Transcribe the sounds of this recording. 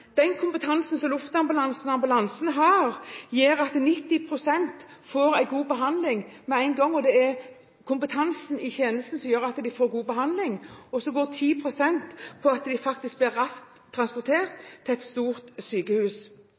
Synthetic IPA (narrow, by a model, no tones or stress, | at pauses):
d̪̥ɛnkʰʊmpət̪ʰɑnsən̩sɔmlʊft̪ɑmbʉlɑnsnɑmbʉlɑnsənɦɑɾjiːɾɑt̪nɪt̪ːɪpʰɾʊsɛnt̪foːɾæɪɡuːbəɦɑnd̪lɪŋmɛæɪnɡɔŋːɔd̪ɛɛɾ | kʰʊmpət̪ʰɑnsnɪçeːnəst̪n̩sɔmjøːɾɑt̪d̪ɪfoːɾɡuːbəɦɑnd̪lɪŋɔsɔɡoːt̪ʰiːpʰɾʊsɛnt̪pʰɔɑt̪d̪ɪfɑk̚t̪ɪsk̚blɪɾːɑsk̚t̪t̪ʰːɾɑnspɔɾt̪ʰeːɾt̪ʰːɪɛt̪st̪uːɾt̪syːkəhʉːs